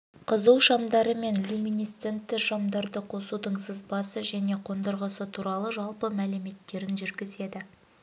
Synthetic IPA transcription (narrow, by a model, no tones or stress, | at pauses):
qʰəzəwʃɑmd̪ɑɾəme̞nlʲumʲinijst̪sent̪ːɪʃɑmd̪ɑɾd̪əqʰo̞sud̪əɴsəzbɑsəʒæne̞qʰo̞nd̪əɾʁəsət̪ʰuɾɑlˠəʒɑlˠpəmælɪme̞t̪ːe̞ɾɪnʒʏɾɡʲɪze̞d̪ɪ